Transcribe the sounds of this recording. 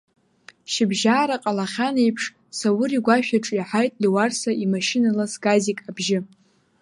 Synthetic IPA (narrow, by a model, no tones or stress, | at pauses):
ʃɪbʒaːɾaqʼalaχʲanejpʰʂ | sawʊɾiɡʷaʃᶣaʈ͡ʂʼiħajtʼliwarsaʔimaʃinalasɡazikʼabʒɪ